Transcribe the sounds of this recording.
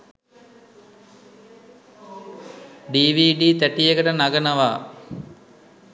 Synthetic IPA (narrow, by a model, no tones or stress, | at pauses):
ɖiːʋiːɖiːt̪æʈijəkəʈənaɡənəʋaː